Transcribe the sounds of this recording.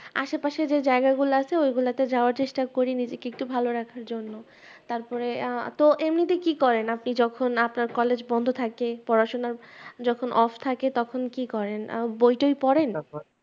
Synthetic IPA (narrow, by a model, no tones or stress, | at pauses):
a̰ʃepaʃed͡ʑed͡ʑaeɡaɡuloat͡ɕʰeojɡulat̪ed͡ʑaoaɾt͡ɕeʃʈakoɾinid͡ʑekek̚t̪ubʱaloɾakʰaɾd͡ʑonːo | t̪aɾpɔɾet̪oʔemnit̪ikikɔɾenapnid͡ʑɔkʰonapnaɾkɔled͡ʑbɔnd̪ʱot̪ʰakepɔɾaʃonaɾd͡ʑɔkʰonʔɔft̪ʰaket̪ɔkʰonkikɔɾenbojʈojpɔɾen